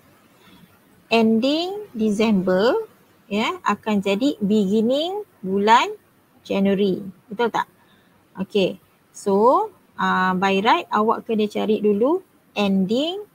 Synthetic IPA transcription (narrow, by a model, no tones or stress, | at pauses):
ʔɛndiŋdisɛmbə | jaa̰kand͡ʒadibiɡinĩŋbulan | d͡ʒɛnwəɾiit̪ut̪a̰ʔ | ʔoke | so | ə̃bajɾajt̪̚awa̰ʔkadit͡ʃa̰ɾiʔdulu | ʔɛndiŋ